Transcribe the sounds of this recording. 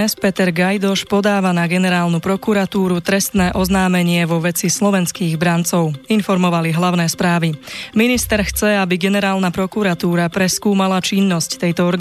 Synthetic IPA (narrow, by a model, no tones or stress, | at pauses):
ɛspɛt̪ɛɾɡajd̪ɔʃpɔd̪aːʋanaɡɛnɛɾaːlnupɾɔkuɾat̪uːɾut̪ɾɛst̪nɛːʔɔznaːmɛɲɪɛʋɔʋɛt͡sislɔʋɛnskiːɣbɾant͡sɔʊinfɔɾmɔʋaliɦlaʊnɛːspɾaːʋiminist̪ɛɾxt͡sɛabiɡɛnɛɾaːlnapɾɔkuɾat̪uːɾapɾɛskuːmalat͡ʃinːɔsct̪ɛjt̪ɔɔɾɡ